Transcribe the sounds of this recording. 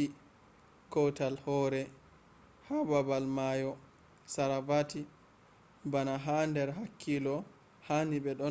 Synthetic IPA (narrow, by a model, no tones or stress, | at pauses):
i | kɔwtalhɔːɾɛ | hababalmajɔ | saɾavati | banaɦandɛɾɦakʰːilɔ | hanibɛɗɔ